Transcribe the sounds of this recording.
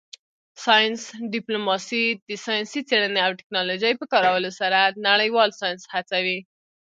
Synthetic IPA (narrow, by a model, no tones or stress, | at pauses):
sɑjənsɖɪplomɑsid̪əsɑjnsit͡seɽəneawʈɪ̥knɑlod͡ʒəjpəkɑɾawəlosaɾanaɽəjwɑlsɑjənshat͡sawi